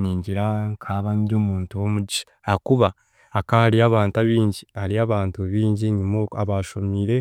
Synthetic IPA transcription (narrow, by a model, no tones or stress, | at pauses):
niːɲɟiɾaŋkʰaβamibjoːmuːntuwomuɟiʃ | akuβaː | kahaɾiaβaːntaβiːɲɟihaɾiaβaːntuβiːɲɟiɲimoaβaʃomiɾe̞